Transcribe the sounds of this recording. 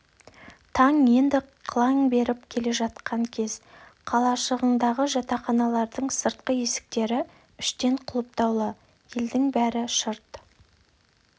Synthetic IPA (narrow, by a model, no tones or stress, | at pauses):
t̪ʰɑŋje̞nd̪ɪqʰlˠɑŋbe̞ɾɪpkʲʰe̞le̞ʒɑt̪̚qɑŋkʲʰe̞zqʰɑlˠɑʃəʁəɴd̪ɑʁəʒɑt̪ɑχɑnɑlˠɑɾd̪əɴsəɾt̪̚qəje̞sɪ̥k̚t̪e̞ɾɪ | ʏʃt̪e̞ɴqʰʊlˠəp̚t̪ɑwlˠə | je̞ld̪ɪŋbæɾɪʃəɾt̪